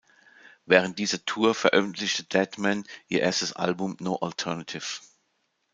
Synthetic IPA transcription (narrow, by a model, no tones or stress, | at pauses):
vɛːʁənt̚d̥iːzɐtʰuːɐfɛɐʔœfn̩tʰlɪçtəd̥ɛtmɛnʔiːɐʔeːɐstəsʔa̰lbʊmnoːʔaltʰɛɐnatʰɪf